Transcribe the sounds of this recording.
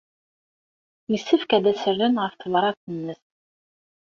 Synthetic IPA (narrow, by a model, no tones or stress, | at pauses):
məsːəfkæd̪æsəɾðənʁəfθlɑɾˤɑθənːəθ